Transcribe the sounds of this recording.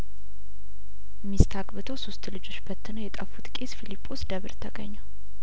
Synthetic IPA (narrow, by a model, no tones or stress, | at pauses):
mist̪ʰaɡbɨt̪ʰowsost̪lɨd͡ʒo̞t͡ʃːbət̪ʰːɨnojɛt̪ʼəfut̪ʼkʼesfilipʼːo̞sd̪əβɨɾt̪ʰəɡə̰ɲːa